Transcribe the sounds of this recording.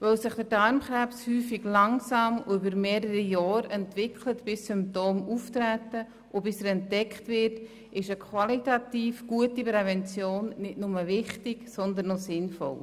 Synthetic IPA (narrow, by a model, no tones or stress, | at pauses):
ʋœwsɪχd̥əɾdɑɾmχɾɛpshyːfiɡlɑŋsɑːmʊ̰ybəɾmeːɾəɾijɑːɾɛntvɪkχlətb̥ɪssʏmp̚toːmuftɾætə | ʔʊbɪsəɾɛntdɛkχtvɪɾt | ɪʃəkʰʋɑlitɑtiːfɡ̥uətipɾɛvɛnt͡sjoːnːɪtnʊməvɪχtɪɡsɔnd̪ənːɔsɪnfɔ̰l